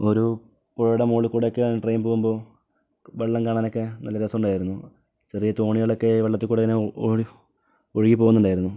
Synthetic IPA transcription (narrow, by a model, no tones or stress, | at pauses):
o̞ɾu | poɻuɽɐmoːɭikːuːɽejokːeʈrejːumpo̞ːɣumbo̞ː | ʋeɭːɐmkaːɳaːno̞kːenɐlːɐɾɐsɐmuɳɖdaːjiɾunːu | ɕɐrijɐt̪o̞ːɳiɣɐɭo̞kːe̞ʋeɭːɐt̪ːilkuːɽeineɻi | oɻiɣip̬oːɣunːuɳɖdaːjiɾunːu